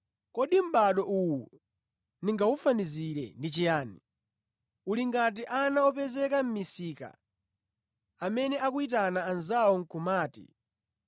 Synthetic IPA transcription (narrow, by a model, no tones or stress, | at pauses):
kɔɗim̩ɓaɗɔʔuwu | niŋɡaufaniziɾɛ̰ndit͡ʃijaːni | uliŋɡat̬iʔanaɔpɛzɛkam̩misika̰ | amɛnɛʔakuit̬anaːnzawɔŋ̩kumaːtḭ